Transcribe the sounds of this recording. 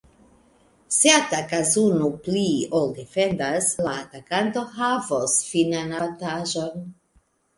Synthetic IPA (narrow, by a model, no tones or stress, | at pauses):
set̪akazunupliold̪efend̪aslaːtakant̪oɦavosfinanat̪aʒon